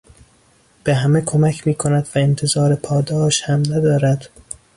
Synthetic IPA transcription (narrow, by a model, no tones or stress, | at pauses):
b̥e̞ɦæmekʰomæcʰmiːkʰo̞næd̪væent̪ʰe̞zɒːɾepʰɒːd̪ɒːʃhæmnæd̪ɒːɾæd̪̥